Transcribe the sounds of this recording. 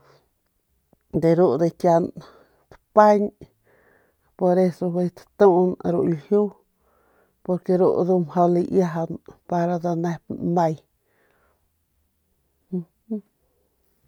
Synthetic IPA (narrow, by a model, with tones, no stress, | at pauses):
d̪e˨ɾu˦ʔd̪e˧kja˧n | t̪pa˦ɲ | po˧ɾe˧so˧ɦe˧jt̪ḁt̪ũ˦ʔnɾṵ˧ʔlhju˦ | po˧ɾke˧ɾṵ˧˨ʔd̪u˧mho˧li˧ʔja˧ɦa˧npa˧ɾa˧d̪a˧nẽ˧pnã˧j